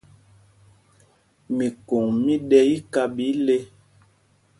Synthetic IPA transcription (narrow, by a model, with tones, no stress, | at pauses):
mi˨ko˨ŋmi˦ɗɛ˦i˦ka˦bi˨˦le˦